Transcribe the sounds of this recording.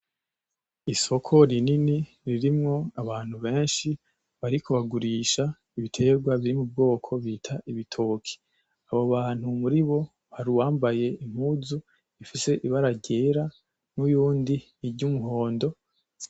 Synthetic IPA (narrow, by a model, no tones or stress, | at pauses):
iso̞kʰo̞ɾinini | ɾiɾimŋo̞aβaːn̥huβe̞ːnʃi | βaɾikoβaɡuɾiːʃa | iβitʰe̞ːɾɡwaβiɾimub̚ɡo̞ːkʰo̞βitʰaʔiβitʰoːkʰi̥ | aβoβaːn̥humuɾiβo̞ | haɾuwaːmbaje̞im̥huzu | ifise̞ʔiβaɾaɟe̞ːɾa | nujuːndiː | ɾɟumuɦo̞ːndo̞